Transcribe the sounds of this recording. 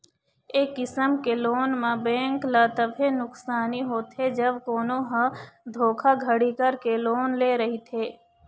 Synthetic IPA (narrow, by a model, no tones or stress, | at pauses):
eːkːɪsəmkeloːnmãbɛ̃ːŋklaːt̪əbʱenʊksaːniɦoːt̪ʰed͡ʒəbkoːnõɦɐ̃d̪ʱoːkʰaɡʱəɽikəɾkeloːnleːɾɐɦit̪ʰeː